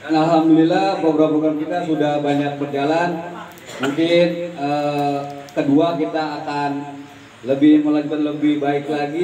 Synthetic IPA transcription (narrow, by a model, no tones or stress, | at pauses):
danalɦamdulilahbabəɾapɾoɡɾamkit̪asudahbaɲak̚pərd͡ʒalan | muŋkɪnə | kəduakit̪aːkan | ləbɪhmolənt̪ɔnləbɪhbaɪklaɡi